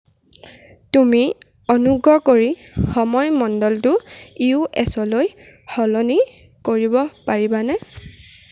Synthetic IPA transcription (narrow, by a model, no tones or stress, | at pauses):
tumi | ɔnuɡɹɔkoɹi | xɔmɔjmɔndɔltʊ | iuɛsɔloj | hɔlɔni | koɹibɔpaɹibanɛ